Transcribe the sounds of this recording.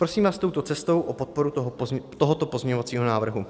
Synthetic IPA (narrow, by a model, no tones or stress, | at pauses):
pɾosiːmvaːst̪o̞wt̪o̞t͡sɛst̪o̞wʔopot̪̚po̞ɾuɦt̪oɦot̪opozmɲeɲo̞vat͡siːɦonaːvr̩ɦu